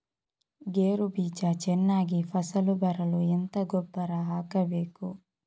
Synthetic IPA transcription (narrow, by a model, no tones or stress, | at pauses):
ɡeːɾubiːt͡ʃɐt͡ʃɛnːaːɡipʰɐsɐlubɐɾɐluent̪ɐɡɔbːɐɾɐɦaːkɐbe̞ːku